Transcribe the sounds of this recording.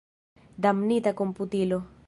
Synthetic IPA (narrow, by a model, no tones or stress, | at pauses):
d̪amnit̪akomput̪ilo